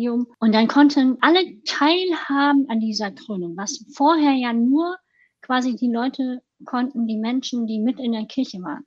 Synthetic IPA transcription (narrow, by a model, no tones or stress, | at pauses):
iʊmʔʊntd̥ankʰɔntʰənʔalətʰaɪlhaːbm̩andiːzɐɡʁ̥yːnəŋvasfoːɐɦeːɐjaːnuːɐ | kv̥aːzidiːlɔʏtʰə | kʰɔntn̩diːmɛnʃn̩diːmɪtɪndeːɐkʰɪɐçəva̰ːʁən